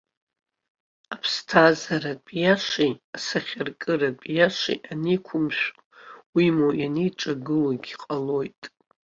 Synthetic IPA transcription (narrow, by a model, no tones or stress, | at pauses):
apʰstʰazaɾadpʼjaʂiasaχʲarkʼɨradʼpʼjaʂḭʔanikʷʰʊmʃʷᶣʼ | wimojaniʈ͡ʂʼaɡɨlaɡʲiqʼalo̞jtʼ